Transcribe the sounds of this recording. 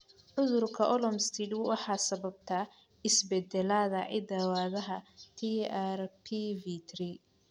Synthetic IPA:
ʕʊðʊrkʰɐʔɔlɔmst̪ʰiːd̪wwɑħɑːsɐβɐb̚t̪ʰaː | ɪsbɛd̪ɛlaːðɐʕɪ̰d̪ɐwaːðɐɦɐt̪ʰiarpʰivit̪ri

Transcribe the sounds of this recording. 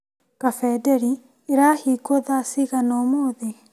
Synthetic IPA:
kafɛdɛɾi | eɾaːhiːkoðasiɣanɔmoːðe

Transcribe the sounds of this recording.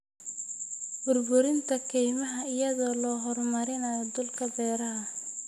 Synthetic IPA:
b̥ʊrbʊɾɪnt̪ʰɐkʰɛjmɐɦɐɪjɐðɔːlɔːɦɔrmɐɾɪnɐjɔd̪ʊlkʰɐbɛːɾɐɦɐ

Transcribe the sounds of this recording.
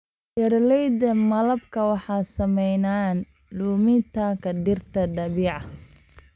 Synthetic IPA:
jɛrlɛjd̪ɐmɐlɐbkʰɐwɑħɑːsɐmɛjnaːn | luːmɪnt̪ʰaːkʰɐd̪ɪrt̪ʰɐd̪ɐβiːʕɑ

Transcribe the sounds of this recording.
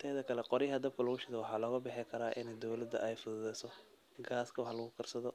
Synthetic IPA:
t̪ʰɛːðɐkʰɐlɛqɔɾɪjɦɐd̪ɐb̚kʰɐlɐɣʊʃɪðɔwɑħɑːlɔːɣɐbɪħɪkʰɐɾaːʔɪ̰nɛjd̪ɔwlɐd̪ɐ̰ʔɛjfʊðʊðɛjsɔ | ɡaːskʰɐwħlɐɣʊkʰɐrsɐðɔ

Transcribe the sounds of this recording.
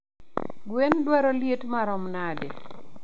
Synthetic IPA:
ɡwendwaɾɔljetmaɾɔmnade

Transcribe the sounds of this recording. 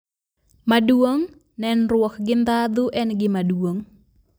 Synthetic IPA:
maduoŋ | nɛnrwɔkɡɪnd̪ad̪uʔɛnɡɪmaduoŋ

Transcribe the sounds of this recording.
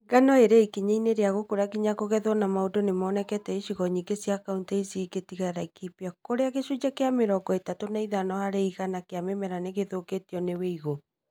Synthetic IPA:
ɡanɔeɾeikiɲeineɾeaɣokoɾaɡiɲakoɣɛðɔnamaodonemɔːnɛkɛtɛiʃiɣɔɲiːŋɡesjakauntɛisiketiɣaɾaikipiakoɾeaɣeʃud͡ʒakeameɾɔɡɔetatonaiðanɔhaɾeiɣanakeamemɛɾaneɣeðoketiɔneweiɣo

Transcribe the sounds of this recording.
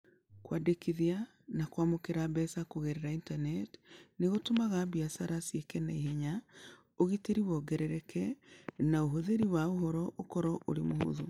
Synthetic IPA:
kwadekiðia | nakwamokeɾabɛsakoɣɛɾɛɾaintanɛtneɣotomaɣabiasaɾasiekɛnaiɦeɲa | oɣiteɾiwɔɡɛɾɛɾɛkʰɛnaoɦoðeɾiwaoɦɔɾɔʔokɔɾɔʔoɾemoho̰ðo

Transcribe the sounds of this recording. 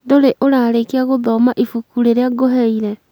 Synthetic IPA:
doɾeʔoɾaːɾekeaɣoðɔmaʔifukuɾeɾeaɡoɦɛiɾɛ

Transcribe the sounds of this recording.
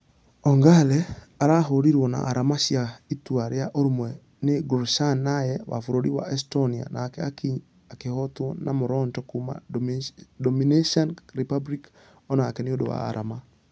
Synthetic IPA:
ɔŋɡalɛ | aɾaɦoɾiɾwɔna̰ʔːɾamaʃjaitwaɾejaʔoɾmwɛ | nɪɡuɾʃanajɛwa̰foɾoɾiwa̰ʔɛstonia̰naːkɛakiɲ | akehɔtwɔnamoɾɔntɔkuma̰ | dɔmineʃanɾipablik | ɔnaːkɛnɪodowa̰ːɾama

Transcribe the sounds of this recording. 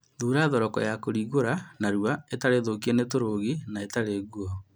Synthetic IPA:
ðuːɾaðɔɾɔkɔ̰jakoɾiːɣoɾanaɾuaetaɾeðokienetoɾoːɣinaetaɾeɣuɔ

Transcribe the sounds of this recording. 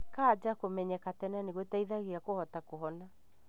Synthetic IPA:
kad͡ʒakomɛɲɛkatɛnaneɣwetaiðaɣeakohɔtakoɦɔna

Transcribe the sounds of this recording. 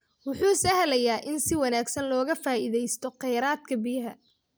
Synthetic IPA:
wʊħuːsɐɦlɐjaːʔɪnsɪwɑnaːɡsɐnlɔːɣɐfaːʔɪðɛjst̪ʰɔqɛjɾaːd̪kʰɐbɪjɐɦɐ̰

